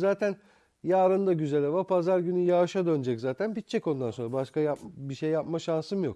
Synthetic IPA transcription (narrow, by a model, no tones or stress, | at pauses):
zaːt̪ʰæn | jaːɾɯnd̪aɟyzelʲɛvapʰazaɾɟynyjaːʃad̪ø̞nd͡ʒɛczaːt̪ʰænpit̪̚t͡ʃʰːɛko̞nd̪anso̞nɾabaʃkajapbiʃejːap̚maʃansɯmɯjok